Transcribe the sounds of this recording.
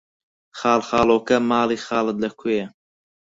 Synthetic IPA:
χɑːlχɑːlˠoːkɐmaːliːxɑːlɨt̪lɐkʰojɛ

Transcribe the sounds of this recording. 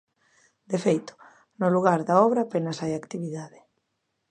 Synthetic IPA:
d̪efejt̪ʊ̥ | nʊluɣ̞aɾðɐɔβɾɐːpenɐsajakt̪iβiðaðɪ

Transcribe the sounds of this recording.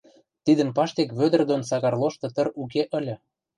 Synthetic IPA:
t̪id̪ə̆npɑʃt̪ekβød̪ə̆rd̪onsɑɣɑrlˠoʃt̪ɤ̆t̪ə̆ɾuk̬eʔə̆lʲɤ̆

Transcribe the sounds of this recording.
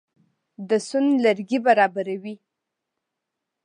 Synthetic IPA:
d̪əsʊnlaɾɡibaɾɑbaɾawi

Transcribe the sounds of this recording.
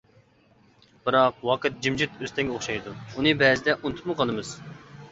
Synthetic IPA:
b̥ɨɾɑq̚wɑqɨt̪̚d͡ʒimd͡ʒit̪øst̪ʰɛŋɡʲɛoχʃɑjd̪uunɨbɛːzɪd̪ɛʔunt̪ʰʊ̥p̚mʊqʰɑlˠɨmɨz̥

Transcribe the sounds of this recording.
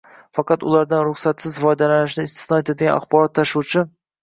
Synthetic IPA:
fɑqɑt̪ʊ̰laɾd̪anɾʊχsat̪sɪzvɒjd̪alanɪʃ̬nɪɪst̪ɪ̥snɒjat̪ed̪ɪɡʲana̰χbɒɾɒt̪ʰːaʃuwt͡ʃʰɪ

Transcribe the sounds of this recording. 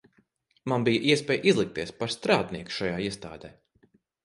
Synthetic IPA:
manbijəʔiɛspʲɛːjʔizlˠik̚t̪iɛspaɾst̪ɾaːd̪niɛku̥ʃajaːiɛst̪a̰ːd̪ɛː

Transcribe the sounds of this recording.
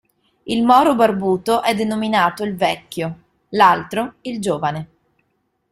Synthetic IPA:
ilmɔːɾobarbuːt̪oʔɛd̪ːenominaːt̪oilvɛkʲːjo | lalt̪ɾoild͡ʒoːvane

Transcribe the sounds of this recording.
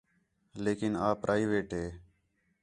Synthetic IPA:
leːkɪnaːpɾʔaːiʋeːʈɦeː

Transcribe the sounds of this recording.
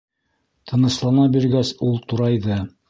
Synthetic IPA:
t̪ʰɤ̆nɤ̆ʃlˠɑnɑbiɾɡæsulˠt̪uɾɑjðɤ

